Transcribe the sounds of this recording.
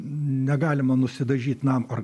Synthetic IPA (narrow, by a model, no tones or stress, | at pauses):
nʲɛɡɑːlʲɪmɐnʊsʲɪd̪ɐʒʲiːt̪nɑmɐr